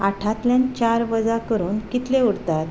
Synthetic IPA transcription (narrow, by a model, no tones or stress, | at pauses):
aʈʰat̪ljãnt͡ɕaɾʋəd͡zakəɾuːnkit̪leuɽt̪at̪